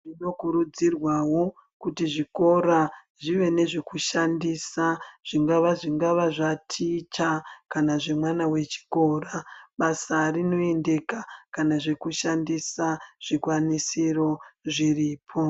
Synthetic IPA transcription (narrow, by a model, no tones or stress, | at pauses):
ʐino̞kuɾud͡zirwawo̞ | kutiʐiko̞ɾa | ʐiʋe̞ne̞ʐe̞kuʃandisaʐ̥iŋɡaʋaʐiŋɡaʋaʐatʰit͡ʃakanaʐe̞mwanawe̞t͡ʃi̥ko̞ːraɓasarino̞e̞nde̞kakanaʐe̞kuʃandisaʐ̥ikwanisiro̞ʐiriːpʰo̞